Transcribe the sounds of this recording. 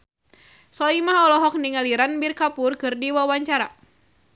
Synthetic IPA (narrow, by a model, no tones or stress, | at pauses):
sɔimaɦɔlɔɦɔk̚niŋaliɾanbirkapʊrkɨrdiwawaɲt͡ʃaɾa